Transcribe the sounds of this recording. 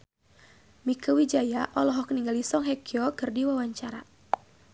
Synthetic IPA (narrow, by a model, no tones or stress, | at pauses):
mikəwid͡ʒajaʔɔlɔɦɔkəniŋɡalisɔŋɦɛkiɔkɨrdiwawaɲt͡ʃaɾa̰